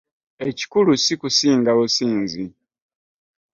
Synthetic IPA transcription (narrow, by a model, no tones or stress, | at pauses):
e̞ci̥kulusikusiːŋɡaβusiːnzi